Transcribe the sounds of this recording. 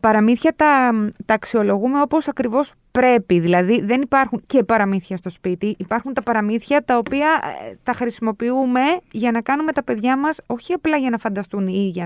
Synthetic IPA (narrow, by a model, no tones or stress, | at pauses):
pɐɾɐmiθçɐt̪ɐt̪ɐːksio̞lo̞ɣume̞o̞po̞sɐkɾivo̞s | pɾe̞piðilɐðiðe̞nipɐɾxuɲce̞pɐɾɐmiθçɐst̪o̞spit̪iʔipɐɾxunt̪ɐpɐɾɐmiθçɐt̪ɐo̞piɐt̪ɐxɾisimo̞piume̞ʝɐnɐkɐnume̞t̪ɐpe̞ðʝɐmɐso̞çiɐplɐʝɐnɐfɐnd̪ɐst̪uniiʝɐ